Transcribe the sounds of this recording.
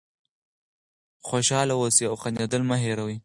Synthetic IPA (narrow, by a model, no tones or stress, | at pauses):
xoʃɑlawosiawxanad̪əlmaɦeɾawi